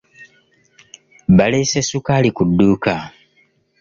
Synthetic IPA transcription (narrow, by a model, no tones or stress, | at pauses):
βale̞sesukalikudːuːka